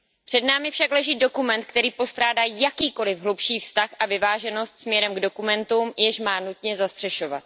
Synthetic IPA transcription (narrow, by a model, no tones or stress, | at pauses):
pr̥ɛdnaːmɪfʃaklɛʒiːdo̞kumɛnt̪kt̪ɛɾiːpo̞st̪ɾaːdaːjakiːko̞lɪvɦlupʃiːfst̪axʔavɪvaːʒɛno̞st̪smɲɛɾɛmɡdo̞kumɛnt̪umjɛʃmaːnut̪ɲɛzast̪r̝̥ɛʃo̞vat̪̚